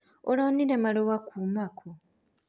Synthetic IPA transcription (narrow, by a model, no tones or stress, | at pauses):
o̰laniɾemalowakʰumakʰo